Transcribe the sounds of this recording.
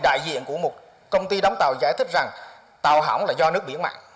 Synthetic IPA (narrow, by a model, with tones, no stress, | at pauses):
ɗa̰ː˧˨jzḭ˧˨ənku˧˩əmo˨˩t̚ | kə˧wŋ͡mt̪i˧ɗa˨˦wŋ͡mt̪a˨˩wzaː˧˩jt̪ʰï˦˥k̟̚za˨˩ŋ | t̪a˨˩wɦa̰˧˩wŋ͡mlaː˨˩zɔ˧nɨ˦˥ək̚ɓi˧˩ənma̰ː˧˨n